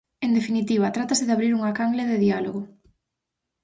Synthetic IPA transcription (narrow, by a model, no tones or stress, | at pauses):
end̪efinit̪iβ̞at̪ɾat̪asɪðaβɾiɾuŋakaŋɡleðeðialoɣo